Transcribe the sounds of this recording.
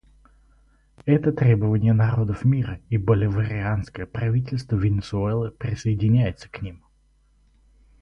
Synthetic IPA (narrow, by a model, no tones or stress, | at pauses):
ɛt̪ət̪ɾʲebəvənʲɪjənɐɾo̞d̪əfmʲiɾəibəlʲɪvəɾʲɪanskəjəpɾɐvʲitʲɪlʲst̪vəvʲɪnʲɪsʊɛlˠəpɾʲɪsəɪdʲɪnʲæjɪt̪sə̥knʲim